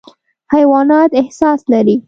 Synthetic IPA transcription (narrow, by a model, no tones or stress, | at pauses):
hajwɑnɑt̪ɪhsɑslaɾi